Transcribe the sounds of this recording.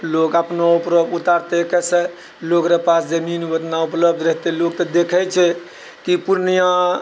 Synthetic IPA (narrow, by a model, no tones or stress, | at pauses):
lokəpnoupɾəbut̪aɾt̪ekɛsə | lokɾapasd͡ʒəminbət̪naupləb̚d̪ʱɾəɦt̪elok̚t̪ɔd̪ekʰɛt͡ʃʰɛ | kipuɾnijã